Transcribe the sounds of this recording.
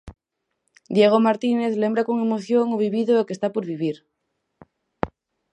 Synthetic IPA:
d̪jeɣ̞omaɾt̪ine̞θle̞mbɾako̞ŋe̞moθjoŋoβiβiðookest̪apoɾβiβiɾ

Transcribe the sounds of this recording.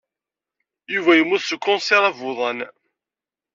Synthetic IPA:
juvæjəmːuθsəkːɔ̃nsɛɾˤævʊðˤɑn

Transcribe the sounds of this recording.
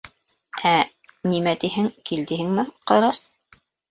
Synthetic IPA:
æ | nimæt̪iɦɘŋkild̪ɘhɘŋmɘqɑɾɑs

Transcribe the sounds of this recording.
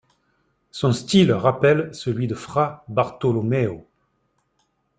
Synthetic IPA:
sɔ̃st̪ilʁapɛlsəlɥid̪əfχabaʁt̪ɔlɔmɛo

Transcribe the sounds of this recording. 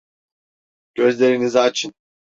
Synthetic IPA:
ɟ̥øzlʲe̞ɾinizat͡ʃʰɯn

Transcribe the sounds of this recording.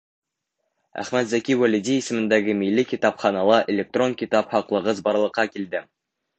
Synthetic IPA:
æ̰χmæt̪zækʲiwælʲid̪ʲiisɘ̆mɘ̆nd̪æɡɘmilːɘkʲit̪ɑpχɑnɑlˠɤʔelʲek̚t̪ro̞ŋkʲit̪ɑphɑqlˠɤ̆ʁɤzbɑɾlˠɤ̆qːɑkild̪ɘ

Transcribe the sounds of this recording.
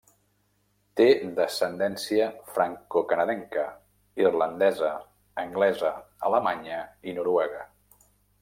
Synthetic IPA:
t̪ed̪əsənd̪ɛnsiəfɾaŋkokənəðɛŋkə | irlənd̪ɛzəː | ŋɡlɛzəə̰ləmaɲəinuɾuɛɣ̞ə

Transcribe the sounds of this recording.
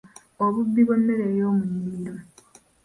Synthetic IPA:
oβubːiβonːeɾeːjoːmunːiiɾo

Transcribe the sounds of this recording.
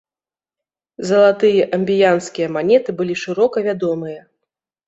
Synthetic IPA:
zɐlˠat̪ɨjɐʔɐmʲbʲijanskʲijɐmanʲɛt̪ɨbɨlʲiʂɨɾɔkɐvʲad̪ɔmɨjɐ

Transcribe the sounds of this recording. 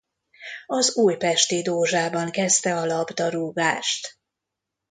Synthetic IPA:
ɒzuːjpɛʃt̪id̪oːʒaːbɒŋkɛst̪ɛɒlɒbd̪ɒɾuːɡaːʃt̪

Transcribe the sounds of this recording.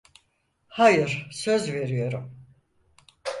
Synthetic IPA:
hajɯɾ̥sø̞zve̞ɾijo̞ɾum

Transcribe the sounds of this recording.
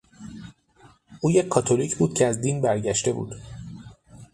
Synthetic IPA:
ʔuːjecʰːɒːt̪ʰolicʰbuːd̪̚cʰeæzd̪iːnbæɾɟæʃt̪e̞bṵːd̪̥

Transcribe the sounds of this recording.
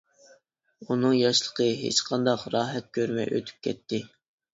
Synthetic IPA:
unɨŋjɑʃlˠə̥qʰəɦḛt͡ʃqʰɑnd̪ɑqɾɑːɦɛt̪̚kʲʰøɾmɛ̰jʔø̰t̪ʰy̥p̚kʲʰɛ̰t̪ʰːɪ

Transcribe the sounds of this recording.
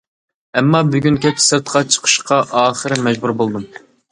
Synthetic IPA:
ɛmːɑbyɡʲynkʲʰɛp̚t͡ʃʰɪ̥sɨɾt̪qʰɑt͡ʃʰə̥qʰə̥ʃqʰɑʔɑːχəɾɪmɛd͡ʒbuɾbolˠd̪um

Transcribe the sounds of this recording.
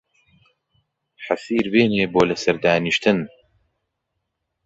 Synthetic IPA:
ħasiːɾbeːneːboːlɐsɐɾd̪aːniʃt̪ɨn

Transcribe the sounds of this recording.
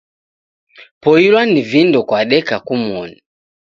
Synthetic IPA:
pɔilwanivindɔkwaɗɛkakumɔni

